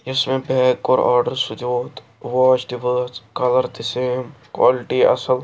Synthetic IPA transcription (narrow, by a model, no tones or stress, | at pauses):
ɪsmẽbɛːkːoːɾa̰ːɾɖəɾsʊd͡ʒoːt̪ | ʋaːt͡ʃɖɪʋəːskɐləɾt̪ɪseːmkwa̰ːlɪʈiɐ̰səl